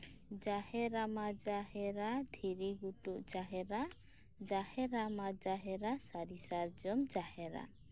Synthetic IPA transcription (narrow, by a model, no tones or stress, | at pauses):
d͡ʒahɛɾamad͡ʒahɛɾad̪ʱiɾiɡuʈuʔd͡ʒaɦɛɾa | d͡ʒahɛɾamad͡ʒaɦɛɾasaɾisaɾd͡ʒɔmd͡ʒahɛɾa̰